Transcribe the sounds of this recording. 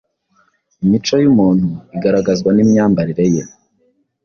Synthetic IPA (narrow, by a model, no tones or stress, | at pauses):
imit͡ʃo̞jumuːn̥uiɡaɾaɡazɡwanimɲaːmbaɾiɾe̞je